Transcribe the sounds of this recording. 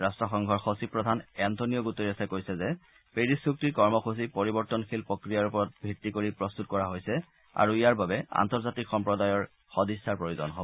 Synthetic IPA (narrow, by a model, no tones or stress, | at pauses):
ɹastɹɔxɔŋɡʱɔɹxosipɹɔdʱanɛntʰonijɔɡutoɹiɛsɛkojsɛzɛ | peɹisuk̚tiɹkɔɹmɔxus̬ipoɹibɔɹtɔnxʰilpɹokɹijaɹupɔɹɔt̚bʱitːikoɹipɹɔst̪ut̚kɔɹaɦojsɛ | a̰ɹuijaɹbabɛa̰ntɔɹzatikxɔmpɹɔdajɔɹ | xodisːaɹpɹojuzɔ̰nɦobɔɔ